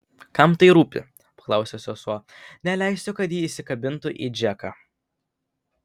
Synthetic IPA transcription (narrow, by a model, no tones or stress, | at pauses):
kɐmt̪ɐɪɾuːpʲɪ̰ | pɐ̥klˠɐˑʊsʲoːsʲosuɔnʲɛlʲæɪsʲt̪ʲʊkɐt̪jiːɪsʲɪkɐbʲɪnt̪ʊʔḭːd͡ʒʲɛkɐ